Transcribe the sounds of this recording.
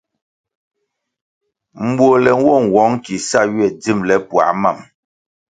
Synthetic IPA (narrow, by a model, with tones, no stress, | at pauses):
m̩˨bwo˨lɛ˨ŋ˦wɔ˦˨ŋ̩˨wɔ˨˦ŋ˦ki˨sa˦ɥɥɛ˨d͡zi˦˨mlɛ˨pwa̰˨˦ma˦˨m